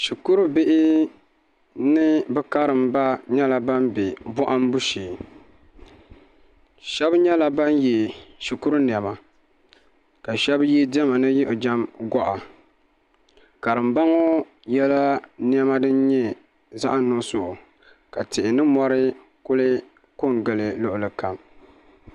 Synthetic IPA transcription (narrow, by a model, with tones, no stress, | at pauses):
ʃi˨ku˦ɾu˦bɪ˦ʔɪ˦ | nɨ˦bɛ˦ka˦ɾɨ˨mba˦ɲɛ˦la˨ba˦mbe˨bɔ˦ʔa˦m˦bu˦ʃiː˨ | ʃɛ˦bɲɛ˦la˨ba˦nji˨ʃi˨ku˦ɾu˦n˨ɛ˨ma˨ | ka˨ʃɛ˦bji˦dɛ˦ma˨nɨ˦ji˦ʔo˨d͡ʒa˦mɡɔ˦ʔa˨ | ka˨ɾɨ˨mba˦ŋo˦ | jɛ˦la˦ni˦ɛ˦ma˦dɨ˦n˦ɲɛ˦ | za̰˦ʔa˦nnːo˦sʊ˦ʔʊ˨ | ka˨tɪ˨ʔɪ˨nɨ˦mɔ˦ɾɨ˦ | kʊ˦lɪ˦ | ko˦ŋɡɨ˨lɨ˨lʊ˦ʔʊ˨lɨ˨ka˨m